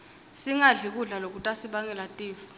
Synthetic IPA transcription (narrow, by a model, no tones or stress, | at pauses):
siŋaɮik̬uɮalok̬ʼutʼasiɓaŋɛlatʼiːfu̥